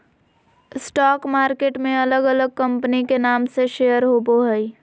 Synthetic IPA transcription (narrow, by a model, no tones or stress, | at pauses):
ɪsʈɔːkmaːɾkeːʈmẽɐləɡələɡ̚kɐ̃mpənikenaːmseʃejəɾɦoːboɦəi